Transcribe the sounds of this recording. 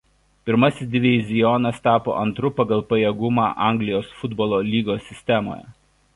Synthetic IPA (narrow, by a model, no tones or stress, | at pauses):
pʲɪɾmɐsʲɪsd̪ʲɪʋʲɪzʲɪjɔnɐst̪ɑːpo̰ːʔɐnt̪ɾʊpɐɡɐlˠpɐjeːɡʊmɑ̰ːʔɑˑŋʲɡlʲɪjoːsfʊd̪bɔːlˠoːlʲiːɡoːsʲɪsʲt̪ʲɛmo̰ːjɛ̰